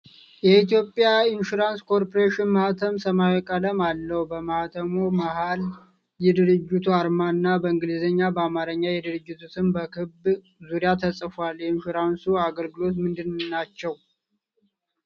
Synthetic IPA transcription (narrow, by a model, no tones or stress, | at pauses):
jɛit̪jo̞pʼːjaɪnʃuɾanskʰo̞ɾpʰoɾeʃɪnmaht̪ʰəmsəmajwɛkʼələmalːəhbəmaht̪ʰəmomaɦal | jɛd̪ɨɾɨd͡ʒːɪt̪ʰuaɾmanːabəɨŋɡɨlizəɲːabəamaɾəɲːajɛd̪ɨɾɨd͡ʒːɪt̪ʰusʰɨnbəkʰɨb | zuɾijat̪ʰəsʼəfaljɛinʃuɾansuaɡəlɡɨlo̞t̪̬mɨnd̪ɨnnat͡ʃːɛw